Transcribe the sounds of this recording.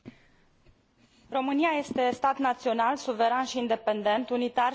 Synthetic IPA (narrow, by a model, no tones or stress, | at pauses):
ro̞mɨniaje̞st̪e̞st̪at̪nat̪sio̞nalsuve̞ɾanʃiːnd̪e̞pe̞nd̪e̞nt̪unit̪ar